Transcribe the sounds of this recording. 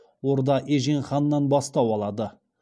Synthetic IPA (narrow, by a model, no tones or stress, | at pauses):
wo̞ɾd̪ɑʔeʒenχɑnːɑnbɑst̪ɑwɑlˠɑd̪ə